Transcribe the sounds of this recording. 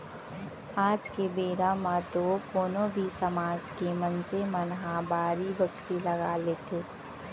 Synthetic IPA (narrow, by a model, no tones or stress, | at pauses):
aːd͡ʒkebeːɾamãd̪oːkoːnõbʱisɐmaːd͡ʒkemənsemɐnɦabaːɾibəkɾilɐɡaːleːt̪ʰeː